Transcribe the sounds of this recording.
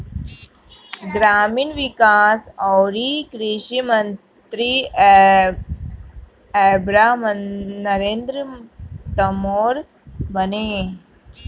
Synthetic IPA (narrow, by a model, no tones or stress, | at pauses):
ɡɾaːminʋikaːsɔːɾikɾiʃimɐn | t̪ɾi | eːbɾaːmənɐɾẽːnd̪ɾət̪ɐmoːɾ | bɐneː